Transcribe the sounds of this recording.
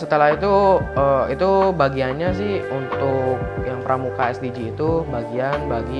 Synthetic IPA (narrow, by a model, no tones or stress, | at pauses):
sət̪əlahit̪uəit̪ubaɡianɲas̬ɪhunt̪ʊk̚jaŋpəɾamukaɛsdid͡ʒiːt̪ubaɡianbaɡi